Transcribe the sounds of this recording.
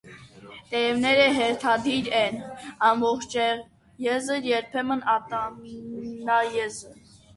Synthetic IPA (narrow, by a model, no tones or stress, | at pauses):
t̪ɛɾɛvnɛɾəɦɛɾt̪ʰɑd̪iɾɛnɑmbɔχt͡ʃʰɛ | jɛzəɾjɛɾpʰɛmənɑt̪ɑ | nɑjɛzə